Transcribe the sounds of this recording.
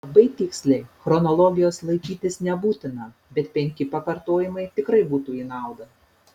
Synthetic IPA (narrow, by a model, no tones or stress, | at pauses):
ɐbɐɪt̪ʲɪksʲlʲɛɪxɾɔnɔlˠɔɡʲɪjoːslˠɐɪkʲiːt̪ʲɪsnʲɛbuːt̪ʲɪnɐ | bʲɛt̪pʲɛŋʲkʲɪpɐkɐɾt̪oːjɪmɐɪt̪ʲɪkɾɐɪbuːt̪uːiːnɑˑʊd̪ɐ